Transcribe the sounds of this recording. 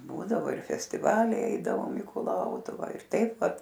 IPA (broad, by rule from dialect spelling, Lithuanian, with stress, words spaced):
ˈbuːdɐʋoː ɪr fʲɛsʲtʲɪˈʋɑːlʲɛɪ ˈɛɪdɐʋoːm iː kʊˈlˠɐʊtʊʋɑː ɪr ˈtɐɪp ˈʋɐt